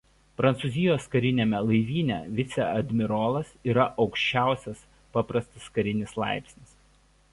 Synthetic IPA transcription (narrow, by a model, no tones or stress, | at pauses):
pɾɐnt̪suzʲɪjoːskɐɾʲɪnʲeːmʲɛlˠɐɪʋʲiːnʲɛ̰ʋʲɪt̪sʲɛɐd̪ʲmʲɪɾɔːlˠɐsiːɾɐʔɒʊkʃʲt͡ʃʲæˑʊsʲɛs | pɑpɾɐst̪ɐskɐɾʲɪnʲɪslˠɑ̰ˑɪpʲsʲnʲɪs